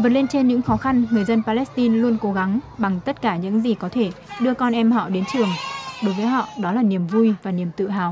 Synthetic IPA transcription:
vəː˨˩n̚le˧nt͡ɕe˧nɲɨ̰˧˥ŋxɔ˨˦xa˧nŋɨ˨˩əjzə˧npaː˧lɛ˦˥st̪i˧nlu˧ənko˨˦ɣa˨˦ŋɓa˨˩ŋt̪ə˦˥t̚kaː˧˩ɲɨ̰˧˥ŋzi˨˩kɔ˨˦t̪ʰe˧˩ɗɨ˧əkɔ˧nʔɛ˧mɦɔ̰˧˨ɗe˨˦nt͡ɕɨ˨˩əŋɗo˨˦jvəː˨˦jɦɔ̰˧˨ɗɔ˨˦laː˨˩ni˨˩əmvu˧jvaː˨˩ni˨˩əmt̪ɨ̰˧˨ɦa̰ː˧˨w

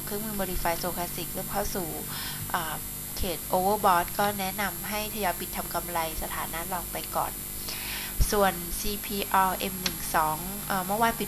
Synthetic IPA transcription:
kʰɯ˥˩əŋmɯː˥˩mo˧liː˧˩faː˧jsoː˧kʰaː˧˥st̪i˨˩k̚lɯ˥˩əmkʰa˥˩wsuː˨˩ | ʔaː˨˩ | kʰeː˨˩t̪̚ʔoː˧wɤː˥˩bɔː˦˥t̪̚kɔː˥˩nɛ˦˥na˧mɦa˥˩jt̪ʰa˧jɔː˧˥jpi˨˩t̪ʰːa˧mka˧mɾa˧jsa˧t̪ʰaː˩˦na˦˥lɔː˨˩ŋ̚pa˧jkɔ̰ː˨˩n | su˨˩ənsiː˧pʰiː˧ʔɔː˧ʔe˧mnɯ˨˩ŋsɔː˩˦ŋʔəː˨˩mɯ˥˩ə˨waː˧npi˨˩

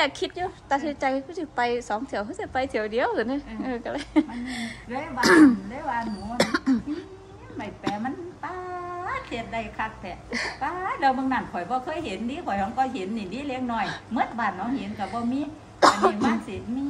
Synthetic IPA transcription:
aː˨˩kʰːi˧t̪̚juː˧˨t̪aː˧˩sʰɯ˧˩t͡ɕa˧jhkʰɔ˧˥sʰɯ˧˩pa˧˩jsɔː˨˦ŋt̪ʰi˧˦əwhʰɯ˧˥˦si˧˩pa˧jt̪ʰi˨˩˦əwdi˨əwʔɯː˨˩˦nɯ˧˥ʔɤː˧˩ka˧˩laː˧jma˧˨n˧lɯ˧˥˨jbaː˧˩˨lɯː˧˦˨baː˧˨nmuː˨˧˦na˧˨miː˧˥ | ma˧˩jpɛː˨˧˩ma˧˥˨np̪aː˧se˧˩t̪̚da˧˩jkʰa˧˩k̚p̪ɛ˧˩paː˧dɛ˧˩wmɯ˧˨ŋnaː˧˩nkʰɔ˨˩jbɔː˧kʰɤː˧˥˨jhe˨˦ndiː˧˦˨kʰɔ˨˩jha˧˦kʰɔ˧˩jɦe˨˦nːi˧˨˩diː˧˦˨le˧ŋnɔ˧˩jmɯ˧˥t̪̚baː˧˩n̚hɔ˧˥he˨˦nka˧˩bɔː˧miː˧˥˨ | ma˧˥˨nsi˨˧˩mi˧˥

